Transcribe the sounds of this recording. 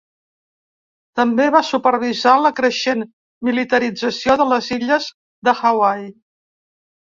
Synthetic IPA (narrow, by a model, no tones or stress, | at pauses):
t̪əmbeβasupəɾβizaləkɾəʃen | milit̪əɾid͡zəsioðələziʎəz | ðəxawaj